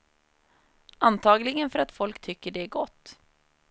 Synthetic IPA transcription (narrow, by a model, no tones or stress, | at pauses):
ant̪ʰɑːɡlɪɡənfœɾat̪fɔlkt̪ʰʏkːəɖɛæɾɡɔt̪ː